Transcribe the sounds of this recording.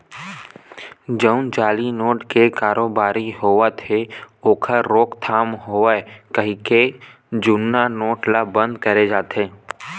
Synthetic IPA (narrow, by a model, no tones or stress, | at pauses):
d͡ʒəʊ̃nd͡ʒaːlinoːʈkekaːɾoːbaːɾiɦoːʋət̪ʰeoːkʰəɾɾoːkt̪ʰaːmɦoːekəɦĩke | d͡ʒʊnːanoːʈlabə̃nd̪̚kəɾed͡ʒaːt̪eː